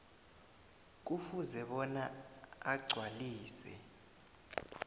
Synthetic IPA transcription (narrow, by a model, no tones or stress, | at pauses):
k̬ufuzɛɓɔnaaɡ͡ǀʱwaliːsɛ̰